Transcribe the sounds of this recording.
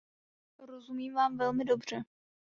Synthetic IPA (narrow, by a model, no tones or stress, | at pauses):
ɾozumiːmvaːmvɛlmɪdo̞br̝̥ɛ